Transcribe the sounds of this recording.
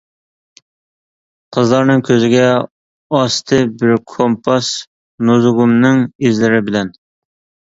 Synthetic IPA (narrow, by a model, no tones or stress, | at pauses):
qʰəzlˠɑɾnɨŋkʲʰøzɪɡʲɛ | ɑst̪ʰɪbɪɾkʰompʰɑs | nozʁʊmnɨŋizlɪɾɪbɪlɛn